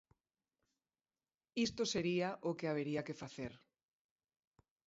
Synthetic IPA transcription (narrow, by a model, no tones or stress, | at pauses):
ist̪oseɾiaʔokeaβ̞eɾiakefaθeɾ